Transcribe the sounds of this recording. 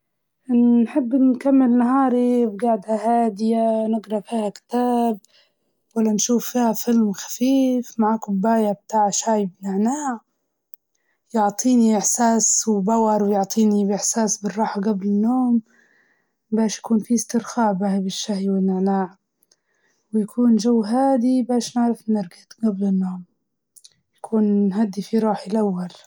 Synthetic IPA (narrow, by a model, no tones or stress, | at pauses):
ħɪbːnkamːɪlnaɦɑːɾibɡaʕd̪hahaːd̪ɪjanɪɡɾˤɑfiːhakt̪aːb̚ | walːanʃuːfːiːhafɪlmxḁfiːfmaʕaːkʊbːaːjab̚t̪aːʕʃaːjbnɪʕnaːʕ | jʊʕt̪ˤiːniʔɪħsaːswbawɑɾˤwjoʕt̪ˤiːnibʔɪħsaːsbərˤːɑːħaɡablɪnːuːm | bæːʃjkuːnfist̪ɪɾxaːbahbɪʃːahjwɪnːaʕnaːʕ | wjkʰuːnʒawːɦaːd̪ibæːʃnɪʕɾɪfnɪɾɡɪt̪ɡablɪnːoːm | jkʰuːnɦad̪ːifiɾˤuːħilʔawːal